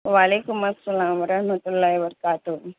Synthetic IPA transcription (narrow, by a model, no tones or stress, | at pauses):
ʋaːlekumɐsːɐlaːmʋɐɾanot̪ulːajʋəɾkaːt̪u